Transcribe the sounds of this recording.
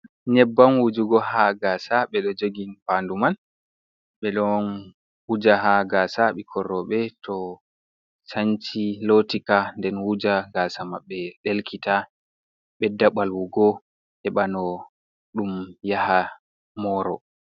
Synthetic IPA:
ɲɛbːanwud͡ʒuɡɔhaɡaːsaɓɛɗɔd͡ʒoɡinpanduman | ɓɛɗɔn | wud͡ʒaɦaɡaːsaɓɛkʰɔrːɔɓɛtʰɔ | saɲt͡ʃilotikandɛnwud͡ʒaɡaːsamaɓːɛɗelkʰita | ɓɛdːaɓalwuɡɔ | hɛɓanɔ | ɗumjaha | mɔːɾɔ̰

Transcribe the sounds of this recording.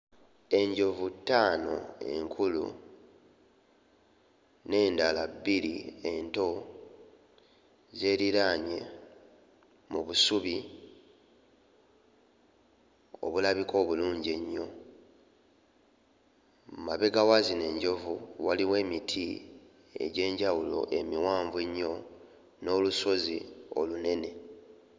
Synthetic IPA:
e̞ɲɟo̞vutːaːno̞̰e̞̰ŋkʰulṵ | ne̞ːndalabiɾie̞nto̞ | ze̞ːɾiɾaɲe̞ | muβusuβi | o̰βulaβiko̞ːβuluːɲɟeɲːo̞ | maβe̞ɡawazine̞ːɲɟo̞vuwaliwe̞ːmitʰi | e̞̰ɟe̞ːɲɟawulo̞̰ʔe̞miwaːɱveɲːo̞ | no̞ːluso̞zio̰lune̞ne̞

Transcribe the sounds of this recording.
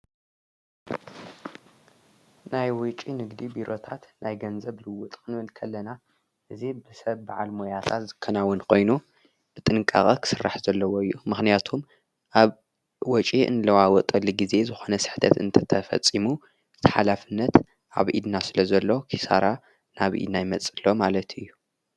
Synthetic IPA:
najwʊt͡ʃʼinɨɡd̪ibiɾo̞t̪ʰat̪najɡɐnzɐβlɨwʊt̪ʼkɨnɨnkʰɐlːɐna | ʔɨzibɨsɐβbaʕalmojat̪ʰat̪zɨkʰːɐnawʊnkʰo̞jnu | b̥ɨt̪ʼɨnɨkʼa̰χʼɐkʰɨ̥sɨrːa̰ħzɐlːɐwoɨjːumɨxnijat̪ʰum | ʔaβ | wɔt͡ʃʼiʔɨ̰nɨlɐwawɔt̪ʼɐlːiɡize̞zɨxo̞nɐsɨ̥ħt̪ʰɐ̰t̪ɨnt̪ʰɐt̪ʰɐfɐ̰t͡sʼːimu | ɨt̪ʰɨ̥ħalafɨnːɐt̪ | ʔaβʔḭd̪nasɨlɐzɐlːo̞kʰisa̰ɾa | naβʔḭd̪najmɐt͡sʼɨlːo̞malɐt̪ʰɨjːu

